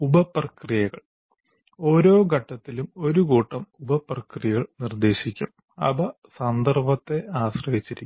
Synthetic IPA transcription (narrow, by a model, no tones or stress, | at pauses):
ubɐprɐkrijɐɣɐɭ | o̞ːɾo̞ːɡɐʈːɐt̪ːilumo̞ɾukuːʈːɐmubɐprɐkrijɐɣɐɭnird̪e̞ːɕikʲːum | ɐ̰bɐ | sɐnd̪ɐrbɐt̪ːe̞aːɕrɐʋit͡ɕːiɾikː